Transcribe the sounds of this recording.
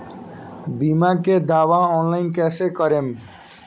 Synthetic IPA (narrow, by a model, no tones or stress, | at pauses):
bimaked̪awaɔnlajnkɛsekʌɾem